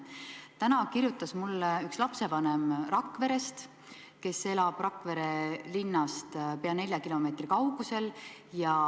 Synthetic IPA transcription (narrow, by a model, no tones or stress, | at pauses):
t̪ænɑkirjut̪ːˑɑsmulːeykslɑpse̞vɑnemrɑkːˑve̞ɾe̞st̪ | ke̞se̞lɑb̥rɑkːˑve̞ɾe̞linːɑst̪pe̞ɑne̞lʲjɑkilo̞me̞ːt̪rikɑwɡ̥use̞ljɑ